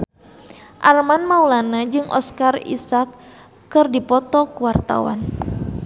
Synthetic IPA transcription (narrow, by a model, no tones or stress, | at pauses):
ʔarmanmaulanad͡ʒɨŋʔɔ̰skarḭsakː | ɨrdipɔt̪ɔkuwart̪a̰wa̰n